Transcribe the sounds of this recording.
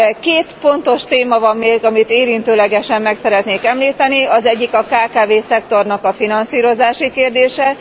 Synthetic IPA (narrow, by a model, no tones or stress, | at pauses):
keːt̪fo̞n̪t̪o̞ʃt̪eːmɒvɒmːeːrɡɒmit̪eːɾint̪øːlɛɡɛʃɛmːɛksɛɾɛt̪neːkɛmliːt̪ɛniɒzɛɟːikɒkaːkaːveːsɛkt̪o̞rnɒkɒfinɒnsiːɾo̞zaːʃikeːrd̪eːʃɛ